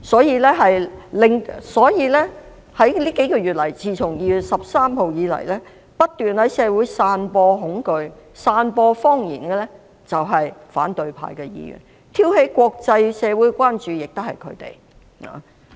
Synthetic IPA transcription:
sɔː˨˥jiː˨˧lɛː˥ɦɐ˨jlɪ˨ŋsɔː˨˥jiː˨˧lɛː˥ | hɐ˨˥jliː˥ke˨˥jkɔː˧ɥyː˨t̚lɐ˨˩jt͡siː˨t͡sʰʊ˨˩ŋjiː˨˧jyː˨t̚sɐ˨p̚saː˥mho˨˧wjiː˨˧lɐ̰˨˩jlɛː˥ | pɐ˥t̚t̪yː˨˩nhɐ˨˥jsɛː˨˧wu˨˥jsaː˧npɔː˧ɦʊ˨˥ŋkɵ˧ɥsaː˧npɔː˧fɔː˥ŋjḭː˨˩nkɛː˧lɛ˥ | t͡sɐ˨wɦɐ˨jfa̰ː˨˥nt̪ɵ˨ɥpʰa̰ː˧jkɛː˧jḭː˧jy̰˨˩n | t̪ʰiː˥whe˨˥jkʷɔː˧k̚t͡sɐ˧jsɛː˨˧wuː˨˥jkʷaː˥nt͡ʃyː˨jɪ˨k̚t̪ʊ˥hɐ˨jkʰɵ̰˨˧ɥt̪ḛ˨˩j | a̰ː˨

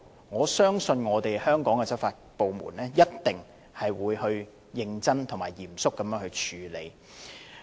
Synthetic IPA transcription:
ŋɔː˨˧sœː˥ŋsɵ˧nŋɔː˨˧t̪e˨jhœː˥ŋkɔː˨˥ŋkɛ˧t͡sɐ˥p̚faː˧t̚po˨wmṵ˨˩nɛː˥jɐ˥t̚t̪ɪ˨˩ŋ | hɐ˨jwuː˨˧jhɵ˧ɥ | jɪ˧ŋt͡sɐ˥nt̪ʰŋmaː˨˩jjiː˨˩msʊ˥kːɐ˨˦mjœː˨˥ŋhɵ˧ɥt͡ʃʰyː˨˧lḛ˨˧j

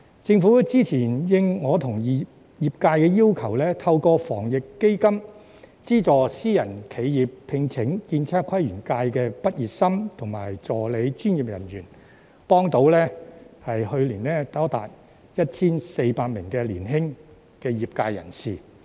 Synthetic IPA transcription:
t͡sɪ˧ŋfuː˨˥t͡siː˥t͡sʰiː˨˩njɪ˧ŋŋɔː˨˧t̪ʰʊ˨˩ŋji˨ | jiː˨˩p̚kaː˧jkɛː˧jiː˥wkʰɐ˨˩wlɛː˥t̪ʰɐ˧wkɔː˧fɔ̰ː˨˩ŋjɪ˨˩kːe˥jkɐ˥m | t͡siː˥t͡sɔː˨˩siː˥jɐ˨˩nkʰe˨˧jjiː˨ppʰɪ˧ŋt͡sʰɪ˨˥ŋkiː˧nt͡sʰaː˥kʰwɐ˥jɥyː˨˩nkaː˧jkɛː˧pɐ˥t̚jiː˨p̚sɐ˥mt̪ʰʊ˨˩ŋma̰ː˨˩jt͡sɔː˨˩le˨˧jt͡ʃyː˥njiː˨˩p̚jɐ˨˩nɥyː˨˩n | pɔː˥ŋt̪o˨˥wlɛː˥hɐ˨jhɵ˧ɥliː˨˩nɛː˥t̪aː˨˥t̪a̰ː˨t̚ | jɐ˥t̚t͡sʰiː˥nse˧jpaː˧k̚mɪ˨˩ŋkɛː˧liː˨˩nɦɪ˥ŋ | kɛː˧jiː˨p̚kaː˧jɐ̰˨˩nsiː˨

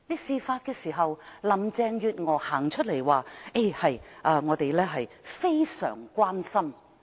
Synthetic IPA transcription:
niː˥siː˧faː˧t̚kɛː˧siː˨˩ɦɐ˨wlɐ˨˩mt͡sɛː˧ŋjyː˧t̚ŋɔː˨˧haː˨˩ŋt͡ʃʰɵ˥t̚le˨˩jwaː˨ʔe˥˩hɐ˨jʔaː˧ŋɔː˨˧t̪e˨jlɛː˥ɦɐ˨jfe˥jsœ̰ː˨˩ŋkʷwaː˥nsɐ˥m

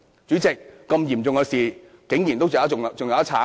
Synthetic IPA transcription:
t͡ɕyː˨˥t͡ɕɪ˨˩k̚kə˧mji˨˩mt͡ɕʊ˧˩ŋɔː˧˩si˨˩ | kɪ˨˥ŋjḭ˨˩nt̪o˦˥wt͡ɕːa˨˥˨t͡ɕʊ˨˩ŋa˨˧˥t͡ɕʰaː˨˥

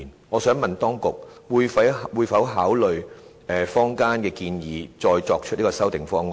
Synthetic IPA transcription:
nŋɔː˨˧sœː˨˥ŋmɐ˨nt̪ɔː˥ŋkʊ˨k̚wuː˨˧jfɐ˨˥wwuː˨˧jfɐ˨˥wɦaː˨˥wlɵ˨ɥ | ɛ˨fɔː˥ŋkaː˥nkɛː˧kiː˧njiː˨˧t͡sɔː˧jt͡sɔː˧k̚t͡ʃʰt̚niː˥kɔː˧sɐ˥wt̪ɪ˨ŋfɔː˥ŋ˨

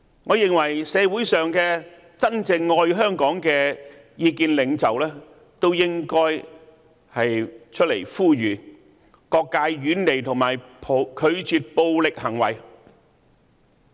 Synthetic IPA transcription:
ŋɔː˨˧jɪ˨˩ŋwɐ˨˩jsɛː˨˧wuː˨˥jsœː˨ŋkɛː˧ | t͡sɐ˥nt͡sɪ˧ŋːɔː˧jɦœː˥ŋkɔː˨˥ŋkɛː˧ | jiː˧kiː˧nlɪ˨˧ŋt͡sɐ˨wlɛː˥ | t̪o˥wjɪ˥ŋkɔː˥j | hɐ˨jt͡ʃʰɵ˥t̚le˨˩jfuː˥˩ɥyː˨˩ | kɔː˧kːaː˧jɥyː˨˥nle˨jt̪ʰʊ˨˩ŋmaː˨˩jpʰo˨˧kʰɵ˨˧ɥt͡ʃyː˨˧t̚po˧wlɪ˨k̚hɐ˨˩ŋwɐ̰˨˩j

